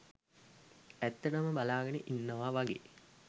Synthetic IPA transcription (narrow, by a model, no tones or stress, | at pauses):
æt̪ːɐʈəməbalaːɡəneʔinːəʋaʋaɡḛː